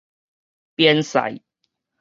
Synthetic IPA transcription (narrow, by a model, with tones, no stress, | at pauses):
pjɛ˦nsa̰˨˩j